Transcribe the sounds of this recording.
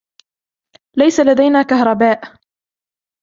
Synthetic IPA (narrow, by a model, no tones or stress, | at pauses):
lajsalad̪ajnaːkahɾˤɑbaːʔ